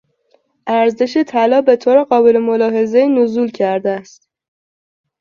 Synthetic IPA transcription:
ʔæɾze̞ʃet̪ʰælɒːbe̞t̪ʰoɾeɢɒːbe̞lemolɒːɦe̞zeiːnozuːlcʰæɾd̪æst̪

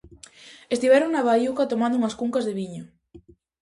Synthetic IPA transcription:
est̪iβɛɾoŋnaβajukat̪omãnd̪ʊuŋɐskuŋkazðeβiɲo

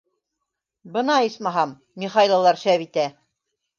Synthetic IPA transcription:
bɤ̆nɑismɑɦɑmːiχɑjlˠɑlˠɑɾʃæβit̪æ

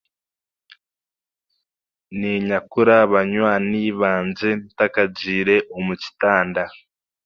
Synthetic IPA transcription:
niɲakuɾaβaɲwaniːβaːnze̞ntakaɟiːɾe̞ʔomuci̥taːnda

